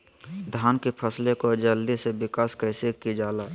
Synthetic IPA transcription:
d̪ʱaːnkepʰəslekod͡ʒəld̪isebɪkaːskəɪsekid͡ʒaːlaː

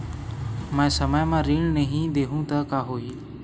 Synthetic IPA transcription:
mə̃səməjmãɾiːɳnəɦĩd̪eɦũːt̪əkaːɦoːiː

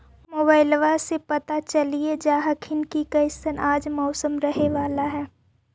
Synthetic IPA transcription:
moːbaːɪlʋasepɐt̪at͡ʃɐlied͡ʒaːɦəkʰɪnkikɐɪsənaːd͡ʒmɔːsəmɾɐɦeʋaːlaɦɛː

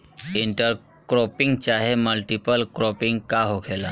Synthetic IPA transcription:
iɳʈəɾ | kɾɔpiŋɡt͡ɕaɦeməlʈipəlkɾɔpiŋɡkaɦokʰela

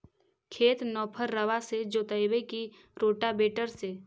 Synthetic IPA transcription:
kʰeːt̪nɔːpʰəɾːəʋased͡ʒoːt̪əjbeki | ɾoːʈabeːʈəɾse

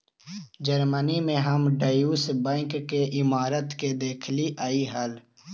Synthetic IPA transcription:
d͡ʒəɾmənimẽɦəmɖəjuːsbɛ̃ːŋkːeʔɪmaːɾət̪ked̪eːkʰliʔaːiɦəl

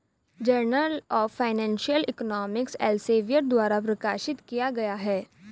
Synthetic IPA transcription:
d͡ʒɐɾnəlɔːfaːɪnɛ̃ːnʃijəlɪ̰knɔːmɪksɛ̰ːlseːʋijəʈd̪waːɾap̬ɾɐkaːʃɪt̪kijaɡɐjaɦɛː

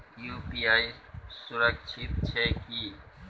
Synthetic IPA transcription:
juːpiːaːisʊɾəkʃʰɪt̪̚t͡ʃʰɛːkiː

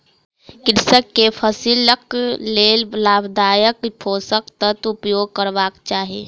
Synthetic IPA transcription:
kɪɾsəkːepʰəsiləkleːllaːbd̪aːjəkpʰoːsəkt̪ət̪ʊpjoːɡ̚kəɾʋaːkt͡ʃaːɦiḛː

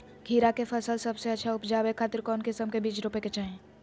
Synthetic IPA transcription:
ɡʱiːɾakefʰəlsəlsɐbseɐtːʃʰaʊpd͡ʒaːbekʰaːt̪ɪɾkɔːnkɪsəmkebiːt͡ʃɾʊpeket͡ʃaːɦẽː

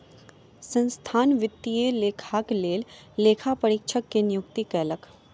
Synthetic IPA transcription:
sə̃nst̪ʰaːnʋɪt̪ːijeleːkʰaːkleːlːeːkʰapəɾɪkʃʰəkːenɪjʊkt̪ikɛːlək

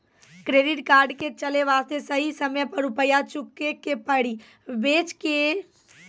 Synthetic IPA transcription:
kɾeːɖɪʈkaːɾɖket͡ʃəleʋaːst̪esəɦisəmjpɐɾʊpəjat͡ʃʊkːekepəɽi | ʋeːt͡ʃke

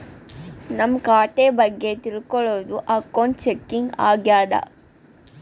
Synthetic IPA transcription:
nɐmːkaːʈeːbɐɡːe̞t̪ilkɔɭoːd̪uʔɐkːoɳʈt͡ʃekːiŋɡa̰ːɡjaːd̪ɐ̰

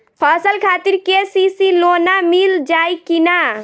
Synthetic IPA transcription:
pʰasəlkʰat̪iɾkesisilonamild͡ʒajkina

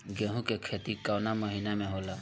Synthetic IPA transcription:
ɡeɦũkekʰeːt̪ikawnaməɦiːnamẽɦoːlaː

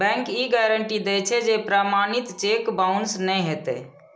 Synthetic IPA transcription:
bɛ̃ŋkiɡɛɾəɳʈid̪ɛt͡ʃʰɛd͡ʒepɾamanit̪t͡ʃekbaʊnsnɛjɦet̪ɛ̰

